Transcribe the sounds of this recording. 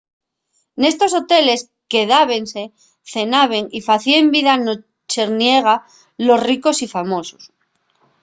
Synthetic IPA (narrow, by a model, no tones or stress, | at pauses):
ne̞st̪o̞so̞t̪e̞le̞s | ke̞ðaβ̞e̞nse̞ | θe̞naβ̞e̞ŋifaθiembiðano | t͡ʃe̞ɾnje̞ɣ̞a | lo̞zriko̞sifamo̞so̥s